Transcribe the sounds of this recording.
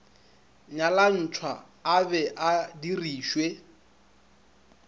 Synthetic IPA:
ɲalan̩t͡ʃʰwa | abɛʔadiriːʃwe

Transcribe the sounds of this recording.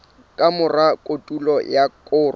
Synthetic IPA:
kʼamʊrakʼotʼulɔjakʼʊːr

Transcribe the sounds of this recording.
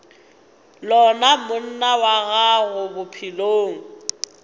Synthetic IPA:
lɔnamʊn̩nawaɣaɣʊbʊpʰiloːŋ̩

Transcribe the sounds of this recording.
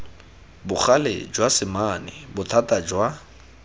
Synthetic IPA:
bʊχalḛd͡ʒwasɪmanɪ̰bʊtʰatʼad͡ʒwa

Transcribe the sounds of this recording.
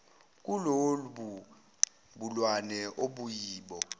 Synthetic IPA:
k̬ʼuloluɓu | ɓulwanɛʔoɓujiːɓɔ

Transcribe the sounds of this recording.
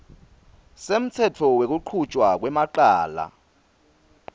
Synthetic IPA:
sem̩t͡sʰɛtʰɔwek̬uǃʰut͡ʃʼwak̬wɛmaǃaːla̰

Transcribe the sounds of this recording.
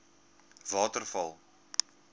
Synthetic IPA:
vɑːtərfɐlˠ

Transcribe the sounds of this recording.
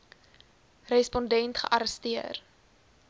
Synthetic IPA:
rɛspɔndɛntχə̰ʔɐɾəstiər

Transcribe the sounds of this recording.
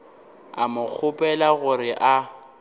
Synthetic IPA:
a̰mʊk͡xʰʊpʼɛlaɣʊrɪʔa

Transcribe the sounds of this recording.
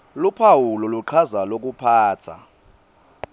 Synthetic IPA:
lupʰawulɔluǃʰazalok̬upʰaːt͡sʰa̰

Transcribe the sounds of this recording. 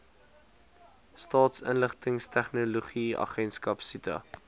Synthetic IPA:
stɑːtsənləχtəŋstæχnoloχiɐ̰χɛnskɐpsitə̰

